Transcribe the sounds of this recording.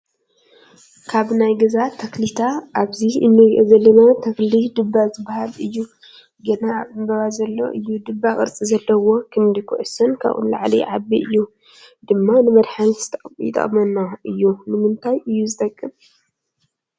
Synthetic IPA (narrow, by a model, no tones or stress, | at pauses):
kʰaβnajɡɐzat̪ʰːɐklit̪ʰaʔaβziɨnːɨzɐlːɐnat̪ʰɐklid̪ɨbːazɨbːahalɨjːu | ɡɐnaːβɨmbɐβazɐlːo̰ʔɨjːud̪ɨbːakʼɨɾt͡sʼizɐlːɐwo̞kʰɨnd̪ɨkʰṵʔsɐnkʰa̰βʔṵnla̰ʕliʕabiʔɨjːu | d̪̥ɨmːanɨmɐd̪ħant̪ʰɐjɪ̰t̪ʼɐ̰χʼmɐnːaʔɨjːunɨmɨnt̪ʰajɨjːuzɨt̪ʼɐkʼːɨm